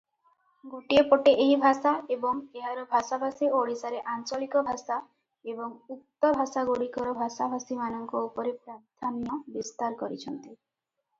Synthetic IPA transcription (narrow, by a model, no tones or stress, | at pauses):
ɡuʈiepoʈeʔeɦibʱasaebɔŋeɦaɾɔbʱasabʱasioɽisaɾeʔant͡ʃɔlikɔbʱasa | ebɔŋut̪ːɔbʱasaɡoɽikɔɾɔbʱasabʱasimanɔŋkɔupɔɾepɾaɾt̪ʰanijɔbist̪aɾkɔɾit͡ʃʰɔnt̪i